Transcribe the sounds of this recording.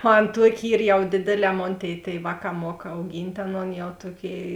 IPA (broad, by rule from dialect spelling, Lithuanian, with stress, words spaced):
ˈɐn ˈtuɔkʲɪ ˈiːr jɛʊ ˈdʲeːdʲeːˌlʲɛː ˈmoːn ˈtʲeːɪ tʲeːɪˈʋɑːˌkɑː ˈmuɔk ɐʊˈɡʲiːnʲtʲ ˈɑːˌnoːn jɛʊ ˈtuɔˌkʲeːɪ